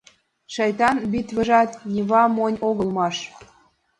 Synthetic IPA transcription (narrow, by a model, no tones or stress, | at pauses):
ʃɑjt̪ɑnbit̪βə̆ʒɑt̪nʲiβɑmonʲoɣə̆lmɑʃ